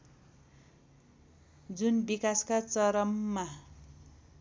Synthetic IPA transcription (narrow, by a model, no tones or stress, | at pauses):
d͡zunbikaskat͡sʌɾʌmːa